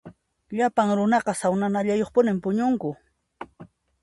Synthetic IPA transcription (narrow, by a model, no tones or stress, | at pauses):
ʎapaŋɾʊnɑqɑsawnanaʎajoχpʊnɪmpʊɲʊŋkʊ